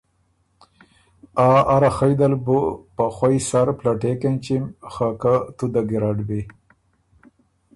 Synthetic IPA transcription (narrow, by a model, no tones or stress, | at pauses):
aaɾaxajd̪albupaxwajsaɾplaʈekent͡ʃimxakat̪ud̪aɡiɾaɖbi